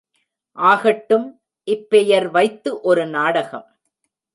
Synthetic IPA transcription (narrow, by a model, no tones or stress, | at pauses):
ʔaːɣɐʈːɯm | ʔɪpːɛjɐɾʋɐɪt̪ːɯʔɔɾɯnaːɽɐɣɐm